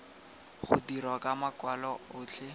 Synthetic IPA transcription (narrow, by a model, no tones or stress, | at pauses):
χʊ̰dirwakʼamakwalɔʊːt͡ɬʰɛ